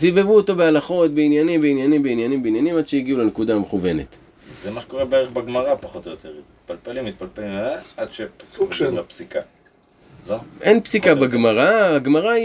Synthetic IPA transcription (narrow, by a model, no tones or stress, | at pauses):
zivevuot̪o̞bealaχo̞t̪̚beinjanimbeinjanimbeinjanimbeinjanimad̥̪ʃejiɡiulanekud̪aːmeχuve̞ne̞̰t̪ | zemaʃeko̞ʁebeeʁeχbeɡmaʁapaχo̞t̪ojot̪ʰeʁit̪̚palpelimːit̪̚palpelimaaad̪ʃesuapsika | loʔenpsikabeɡmaʁaaɡmaʁai